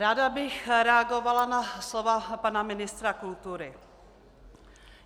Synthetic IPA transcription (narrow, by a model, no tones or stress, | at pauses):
ɾaːdabɪxɾɛaɡovalanaslovapanamɪnɪst̪ɾakult̪uɾɪ